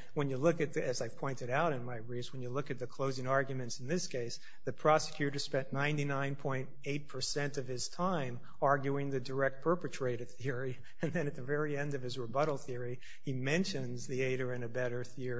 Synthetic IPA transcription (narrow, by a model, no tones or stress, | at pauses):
wə̃njɨlʊkɨt̪̚ɨzaɪv̥pʰɔ̃ɪ̃ntɨɾaʊɾɨ̃nmaɪɹizwə̃njɨlʊkɨt̪̚ðɨkʰl̥oʊzɪ̃ŋɑɹɡjmɨ̃ntsn̩ðɪskʰeɪs | ðɨpʰɹ̥ɑsɨ̥kʰj̥ʉɾə˞spɛ̃nnãɪ̃ntinãɪ̃npʰɔ̃ɪ̃nteɪt̚pʰə˞sɛ̃ntʌv̥ɪz̥tʰãɪ̃m | ɑɹɡjuɪ̃ŋðɨdə˞ɛk̚t̚pʰɜ˞pɨtʰɹ̥eɪɾɨd̥̪̚θɪɹi | ɨ̃nðɨ̃ñɨt̪̚ðɨvɛɹiɛ̃ndʌv̥ɨzɹəbʌɾl̩ˠθɪɹi | imɛ̃nʃɨ̃nzðieɪɾə˞ɨ̃nɨbɛɾə˞θɪɹi